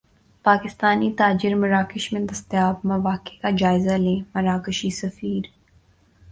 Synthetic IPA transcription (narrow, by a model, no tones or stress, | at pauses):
paːkɪst̪aːnit̪aːd͡ʒɪɾmɐɾaːkɪʃmẽd̪ɐst̪jaːbmɐʋaːkekad͡ʒaːɪzalẽːmɐɾaːkɪʃisɐfiːɾ